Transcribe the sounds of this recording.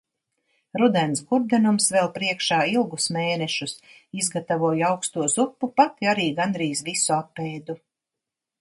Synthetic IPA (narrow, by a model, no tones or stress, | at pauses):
ɾud̪ɛnsɡuɾd̪ɛnumsvɛlˠpɾiɛkʃaːilˠɡusmeːnɛʃus | izɡat̪avuɔjawkst̪uɔzupːupat̪iaɾiːɡand̪ɾiːzvisuapːeːd̪u